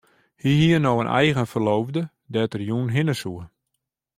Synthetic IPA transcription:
hiɦiənoːənʔɛ̰jɣənfərloːvdə | dɛtərjunɦɪnəsuə

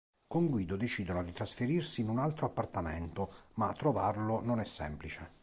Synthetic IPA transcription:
koŋɡwiːd̪od̪et͡ʃiːd̪onod̪it̪ɾasfeɾirsiːnunalt̪ɾoapːart̪amḛnt̪ʊmat̪ːɾovarlʊnonɛsːɛ̰mplit͡ʃe

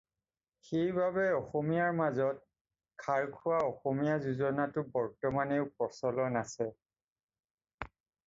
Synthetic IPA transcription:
xejbabɛɔxɔmijaɹmazɔt̚ | kʰaɹkʰʊwaɔxomijazuzɔnatʊbɔɹtɔmaneʊpɔsɔlɔnasɛ

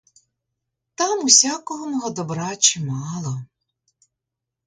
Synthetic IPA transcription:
t̪ɑmusʲakɔɦɔmɔɦɔd̪ɔbɾɑt͡ʃɪmɑlˠɔ

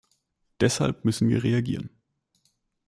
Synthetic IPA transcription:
d̥ɛsha̰lp̚mʏsn̩vḭːɐʁeaɡḭːʁ̞ən

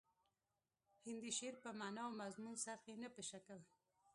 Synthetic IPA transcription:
hɪnd̪iʃeɾpəmanawmazmunsaɾxenəpəʃakəl

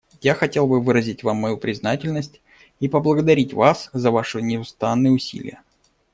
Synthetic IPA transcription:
jaxɐtʲe̞lˠbɨvɨɾəzʲɪtʲvamːɐjupɾʲɪznatʲɪlʲnəsʲtʲ | ipəblˠəɡəd̪ɐɾʲitʲvaszəvaʂɨnʲɪʊst̪anːɨjəʊsʲḭlʲɪ̰jə

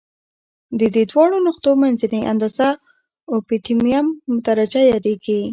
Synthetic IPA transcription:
d̪əd̪ed̪wɑɽonʊqt̪omanzəniʔa̰nd̪ɑza | opiʈimijamːʊt̪aɾad͡ʒajɑd̪eɡi

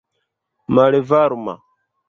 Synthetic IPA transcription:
maɺevaɾuma̰

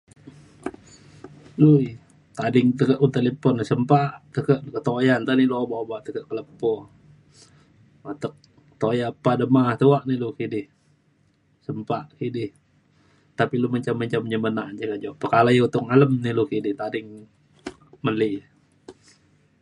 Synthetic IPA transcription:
lui | t̪adɪŋt̪əkəʔut̪elepɔnsəmpaʔt̪əkəʔkət̪ojant̪aniloobaʔobaʔt̪əkəʔkələpɔ | at̪ək̚ | t̪ojapːadəmaht̪uwaʔnilʊkidɪh | səmpaʔkidɪh | t̪apiluməɲt͡ʃamːəɲt͡ʃamɲəmənaʔd͡ʒakad͡ʒoʔpəkalajut̪ʊŋaləmnilukidɪht̪adɪŋ | məli

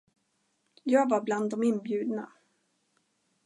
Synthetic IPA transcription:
jɑːɡvaɾbland̪ːɔmɪnbjʉ̟ːd̪na̰

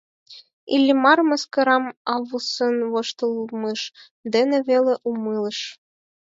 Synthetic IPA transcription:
ḭlʲːimɑrmɤ̆skɤ̆ɾɑmɑβusɤnβoʃt̪ə̆lˠməʃ | d̪enĕβeleʔumɯlɤ̆ʃ

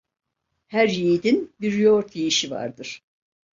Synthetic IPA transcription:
hæɾjiːd̪inbiɾjoɾt̪ʰijiʃiva̰ɾd̪ɯɾ̥

